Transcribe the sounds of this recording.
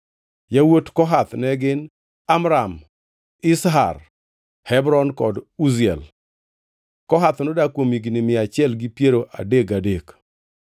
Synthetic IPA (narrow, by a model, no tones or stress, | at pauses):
jawotkɔɦat̪nɛɡɪn | amɾam | ɪsɦa̰r | hɛbɾɔnkɔduziɛ̰l | kɔɦat̪nodakwomiɡnɪmɪat͡ʃɪɛlɡɪpjeɾoʔa̰deɡadek